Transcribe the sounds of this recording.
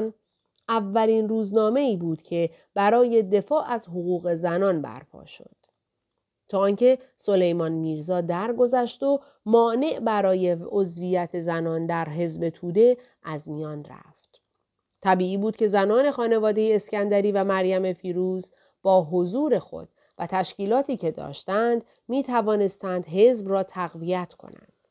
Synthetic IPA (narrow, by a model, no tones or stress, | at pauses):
n | ævːæliːnruːznɒːme̞iːbuːd̪̥cʰe̞ | b̥æɾɒːje̞d̪e̞fɒːʔæzɦoɣuːɣe̞zænɒːnbæ̰ɾpʰɒ̰ːʃo̞̰d̪̥ | t̪ʰɒːɒnce̞so̞le̞jmɒnmiːɾzɒːd̪æɾɡo̞zæʃd̪o | mɒːne̞ʔbæɾɒːje̞ozvijæt̪ʰe̞zænɒːnd̪æɾɦe̞zbe̞t̪ʰuːd̪e̞ | ʔæzmijɒːnræ̰ft̪ | t̪ʰæbiːiːbuːd̪̥̚cʰe̞zænɒːne̞xɒːne̞vɒːd̪e̞jeːscænd̪æɾiːvæmæɾjæme̞fiːɾuːz | b̥ɒːɦozuːɾe̞xo̞̰d̪̥ | væt̪ʰæʃciːlɒːt̪ʰiːcʰe̞d̪ɒ̰ːʃt̪ænd̪ | miːt̪ʰævɒːne̞st̪ænd̪ɦe̞zbrɒːt̪ʰæɣvijæt̪ʰkʰo̞̰næ̰nd̪̥